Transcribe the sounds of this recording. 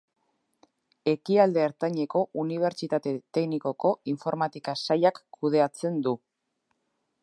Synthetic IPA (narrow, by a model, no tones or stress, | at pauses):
e̞kiald̪e̞ːɾt̪aɲe̞ko̞ʔuniβ̞e̞ɾt͡ʃit̪at̪e̞t̪e̞ɣniko̞ko̞iɱfo̞ɾmat̪ikasajakʰːuð̞e̞at͡se̞nd̪u